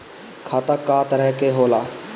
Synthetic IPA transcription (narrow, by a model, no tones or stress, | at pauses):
kʰat̪akːaːt̪ɾɛɦkeɦoːlaː